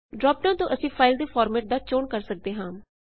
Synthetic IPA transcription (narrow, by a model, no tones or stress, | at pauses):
ɖɾɔːp̚ʈãːnt̪õːʔəsĩːpʰaːɪld̪eːfʰɔːɾmɛːʈ̚d̪aːt͡ʃoːɳkəɾsək̚d̪eːɦãː